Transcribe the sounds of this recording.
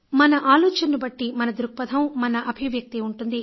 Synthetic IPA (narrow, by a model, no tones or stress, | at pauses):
mɐnɐʔaːlɔːt͡ʃɐnːubɐʈːimɐnɐd̪ɾuk̚pɐd̪ʰʱɐmmɐnɐʔɐbʱiʋjɐk̚t̪iuɳʈund̪i